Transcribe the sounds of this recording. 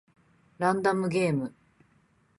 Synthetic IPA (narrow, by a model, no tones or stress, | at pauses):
ɾãnd̪amɯɡeːmɯ̟